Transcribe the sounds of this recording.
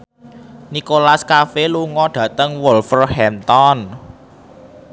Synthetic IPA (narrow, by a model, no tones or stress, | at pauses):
nikolaskafeluŋɔɖ̥ä̤t̪əŋwolfərhɛnt̪ɔn